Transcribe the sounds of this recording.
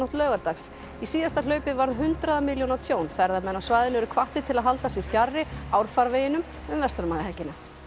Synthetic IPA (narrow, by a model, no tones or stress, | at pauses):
ɔht̪lœːɣaɾt̪aks | isiːðast̪alœːɥpɪvaɾðɦʏnt̪ɾaðamɪljownawt̪ʰjoːwnfɛɾðamɛnːawsvaːjðɪnʏvɛɾʏkʰvaht̪ɪt̪ʰɪlaðɦalt̪asjɛɾfjarːɪawɾ̥faɾveːjɪnʏm | ʏmvɛst̪aɾmaːðɪhɛcːɪna